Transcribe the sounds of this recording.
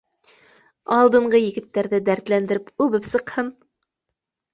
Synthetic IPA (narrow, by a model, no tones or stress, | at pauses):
ɑlˠd̪ɤ̆ɴɢɤjɘ̆ɡɘ̆t̪ːæɾðɘd̪æɾt̪lænd̪ɘ̆ɾɘpʉβɘpsɤ̆qhɤn